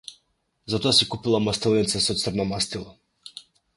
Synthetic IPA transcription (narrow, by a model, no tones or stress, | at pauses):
zat̪ɔasikupilˠamast̪ɛlˠnit̪sasɔt̪sərnɔmast̪ilˠa